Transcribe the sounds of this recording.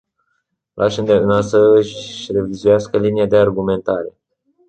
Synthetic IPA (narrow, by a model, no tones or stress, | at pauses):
lʔaʃənd̪enasəɨʃre̞vizujaskəlinijad̪e̞arɡume̞nt̪aɾe̞̰